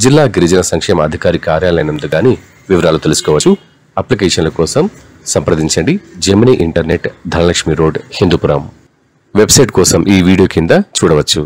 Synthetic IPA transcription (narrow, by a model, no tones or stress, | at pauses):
d͡ʒilːaːɡiɾid͡ʒɐnɐsɐŋkʂɛːmɐɐd̪ʱikaːɾikaːɾjaːlɐjnɐnd̪uɡaːniː | ʋiʋɐɾaːlut̪elusu̥kɔːʋɐt͡ʃːu | ɐplikɛːʃɐnlɐkɔːsɐm | sɐmpɾɐd̪iɲt͡ʃɐɳɖid͡ʒɐɾmːɐniʔiɳʈɐɾneʈd̪ʱɐnɐlɐkʂmiɾoːɖhind̪upuɾɐm | ʋebsɐjʈkɔːsɐmʔiːʋiːɽijoːkind̪ɐt͡ʃuːɽɐʋɐt͡ʃːu